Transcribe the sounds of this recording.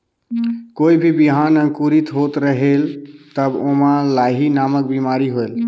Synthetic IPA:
koibʱibiɦanə̃ŋkuɾit̪ɦot̪ɾəɦelt̪əbomalaɦinamək̚bimaɾiɦoel

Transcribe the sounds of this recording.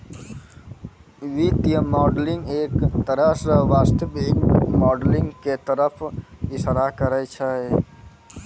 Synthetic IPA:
ʋit̪ijəmɔːɖlɪ̃ŋɡeːkt̪əɾəsɾəʋaːst̪əbiːmɔːɖlɪ̃ŋɡket̪əɾəpʰɪsəɾakəɾət͡ʃʰəe

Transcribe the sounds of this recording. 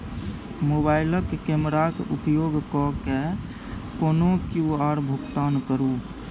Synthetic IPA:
moːbaːɪləkkemɾakupjoːɡkɔke | koːnokjuaɾbʱukt̪aːnkəɾu

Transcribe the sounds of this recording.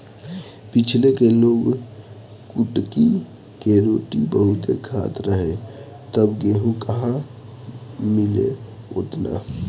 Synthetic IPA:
pɪt͡ʃʰlekeloːɡ | kʊʈki | keɾoːʈibəɦʊt̪ḛkʰa̰ːt̪ɾəɦẽ | t̪əbɡeːɦũkəɦã | mɪlḛ | ʊt̪na̰ː

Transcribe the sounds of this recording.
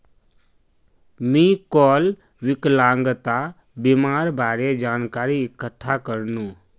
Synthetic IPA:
mikɔl | ʋiklaŋɡt̪a | bimaɾbaɾed͡ʒaːnkaːɾiːkəʈʰːakəɾnũ

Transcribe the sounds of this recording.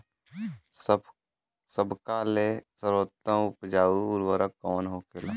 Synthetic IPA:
s | səbkalesəɾət̪ːə̃ʊpd͡ʒaːuʊɾwəɾəkɔːnɦoːkela

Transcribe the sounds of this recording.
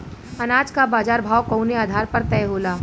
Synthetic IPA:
ɐnaːd͡ʒkabaːd͡ʒaːɾbʱaːwkɐʊneaːd̪ʱaːɾpɐɾt̪ɛːɦoːlaː

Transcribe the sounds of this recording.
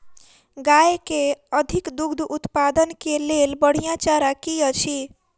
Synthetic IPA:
ɡajekeəd̪ʱikd̪uɡd̪ʱʔut̪pad̪ənkelelbəɽ̤ijãt͡ʃaɾakijət͡ʃʰi

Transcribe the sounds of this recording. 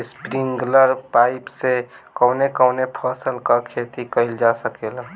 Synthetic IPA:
spɾɪŋɡləɾpaːɪpsekəːnekəːnepʰəːsəlkakʰeːt̪ikəɪld͡ʒasəkela

